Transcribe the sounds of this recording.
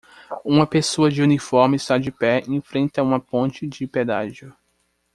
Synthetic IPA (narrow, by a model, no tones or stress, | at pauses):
ũmɐpesoɐd͡ʒɪunifɔɾmɪɪst̪ad͡ʒɪpɛẽfɾẽnt̪ɐũmɐpõnt͡ʃɪd͡ʒɪped̪aʒʊ